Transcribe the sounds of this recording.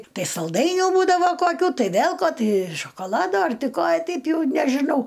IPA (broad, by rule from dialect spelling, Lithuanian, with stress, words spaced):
ˈtɐɪ sɐlˠˈdɐɪnʲuː ˈbuːdɐʋɐ koːˈkʲuː ˈtɐɪ ˈʋʲeːlˠ ˈkoː ˈtɐɪ ʃoːkoːˈlˠɑːdoː ˈɐr ˈtɐɪ ˈkoː ˈtʲɛɪp ˈjɛʊ nʲɛʒʲɪˈnɐʊ